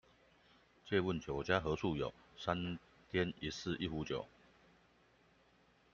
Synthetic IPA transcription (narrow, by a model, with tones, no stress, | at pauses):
t͡ɕjɛ˥˧wə˥˨nt͡ɕjo˨˩ʊt͡ɕja˦xɤ˨˦t͡sʰu˥˩jo̰˨˩ʊsa˦n | t̪ʰjɛ˦ni˨˦sɹ̩˥˧ʔi˥˩xu˨˦t͡ɕjo˨˩ʊ